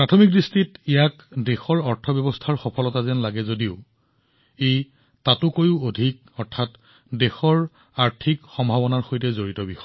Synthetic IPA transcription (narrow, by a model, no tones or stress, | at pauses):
pɹatʰomik̚distitijak | dexɔɹɔɹtʰɔbjɔbɔstʰaɹxɔpʰɔlɔtazɛnlaɡɛzodiʊ | ej | tatʊkojʊodʱik | ɔɹtʰat | dexɔɹ | aɹtʰikxɔmbʱabɔnaɹxojtɛzoɹitɔbixɔ